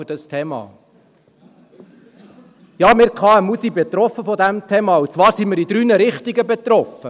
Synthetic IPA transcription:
d̥ɑstʰeːmɑ̰ː | jɑːmɪɾkʰɑːɛmusibɛt̪ɾɔfːəfɔdæmt̪ʰɛːmɑut͡svɑːɾsimɪɾid̪ɾyːnəɾɪχtiɡəbɛt̪ɾɔfə

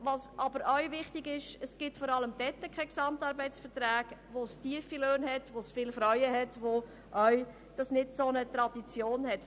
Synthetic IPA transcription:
ʋɑsʔɑbəɾœɥvɪχtɪɡɪʃəsɡ̥ɪtfɔɾɑləmd̥ɛtːəkʰɛksɑmtɑːɾbɛɪsfətræːɡʋostiəfiløːnhɛtʋosfɪlfɾœʏəɦɛtʋo | ʔœʏ | d̥ɑsnɪdsonət̪ɾɑd̥it͡sjoːnhɛt

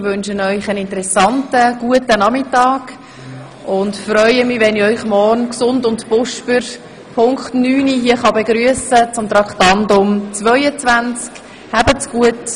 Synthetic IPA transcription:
ʋønʃənœʏχənɪntəɾɛsɑntəɡ̥uətənɑmɪtɑːɡ̥ | ʊndfrœʏəmɪʋɛnɪœʏχmɔrnksʊndʊntpʊʃpəɾ | pʰʊŋkχtnyːniɦiəχɑbeɡɾyəsət͡sʊmtɾɑktɑndʊmt͡svœʏət͡svænt͡sk | hæbət͡sɡ̥uət

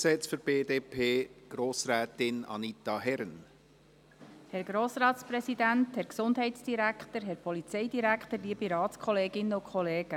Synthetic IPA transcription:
sɛt͡sføɾb̥eːd̪eːpʰeːɡ̥ɾoːsɾɛːt̪ɪnɑ̰nit̪ɑɦɛɾn | hɛɾɡ̥ɾoːsɾɑːtspɾɛsidænthɛɾksʊndɦɛjtsd̥iɾækχt̪əɾɦɛɾpʰɔlit͡sɛjdiɾækχt̪əɾliəbiɾɑːtskχɔleːɡɪnːəʊkχɔleːɡ̥ə

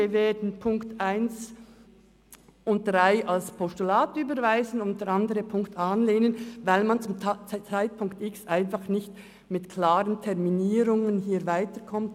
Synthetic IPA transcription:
əveːdn̩pʰʊŋktʔaɪns | ʔʊnt̚d̥ʁaɪʔalspʰɔstulaːtyːbəɾvaɪzən̩ʊnt̚d̥ɛɾɑndəɾəpʰʊŋktaːnleːnənvaɪlmant͡sʊmt͡st͡saɪt̚pʰʊŋktɪksʔaɪnfɑχnɪçt | mɪtkʰl̥aːʁəntʰɛʁminiːɾʊŋənɦiːvaɪtəkʰɔmt

